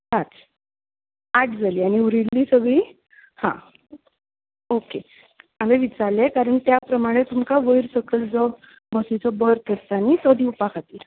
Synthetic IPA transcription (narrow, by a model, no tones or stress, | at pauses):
ɾat͡s | aʈ̚d͡zaliːaɽ̃iuɾilːiːsəɡɭiː | hã̰ | oke | ameʋit͡salekaɾəɳt̪japɾəmaɽ̃et̪umkaʋəiɾsəkəld͡zɔ | bəsit͡sɔbəɾ̚k̪əɾt̪anit̪ɔd̪ʱiupakʰat̪iːl